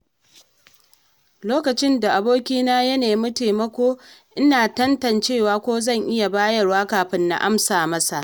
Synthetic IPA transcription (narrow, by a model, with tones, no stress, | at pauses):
loː˦kɐ˨t͡ʃɪ˦nda˨ʔa˨boː˦kʲiː˦naː˦jɐ˦neː˨˦mɐ˦teː˨mɐ˦kʷoː˦ʔɪ˦naː˨tɐ˦ntɐ˨nt͡ʃeː˦˨waː˨kʷoː˦zɐ˦˨ŋʔɪ˦ja˨baː˦jɐ˨rwaː˦kaː˨ɸɪ˦nːa̰˦ʔa˦msaː˨mɐ˦sa˨ʔ